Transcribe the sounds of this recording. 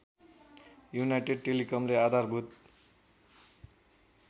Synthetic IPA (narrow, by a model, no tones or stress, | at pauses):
junajʈeɖ̚ʈelikʌmlead̪ʱarbʱut̪̚